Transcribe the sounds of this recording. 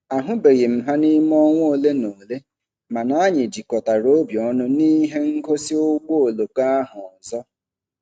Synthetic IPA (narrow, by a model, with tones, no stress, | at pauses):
a˨ɦʊ˦be˨ɣe˨m̩˨ɦa˦ni˦m˦ɔ˦ŋʷ˦˨le˦no˨le˦ | ma˨na˦ɲɪ˨d͡ʒi˨kɔ˨ta˨ɾo˦bjɔ˦nʊ˦ni˦ɦe˦ŋ̩˦ko˦si˦o˦ɡ͡bo˦o˨lo˨ka˦a˦ɦʊ˨zɔ˦